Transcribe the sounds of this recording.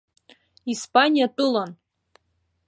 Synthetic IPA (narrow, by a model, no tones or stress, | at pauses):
ispʼanʲijatʼɨlan